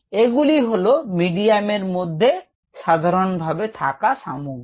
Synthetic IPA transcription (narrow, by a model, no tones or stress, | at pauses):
eɡuliɦolomiɖiameɾmod̪ʱːe | ʃad̪ʱaɾonbʱabet̪ʰakaʃa̰mu